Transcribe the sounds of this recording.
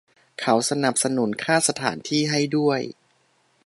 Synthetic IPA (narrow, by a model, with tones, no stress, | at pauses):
kʰa˩˥wsa˧na˨˩p̚sa˧nu˩˦nkʰaː˥˩sa˧t̪ʰa̰ː˩˦nt̪ʰiː˥˩ɦa˥˩jdu˥˩əj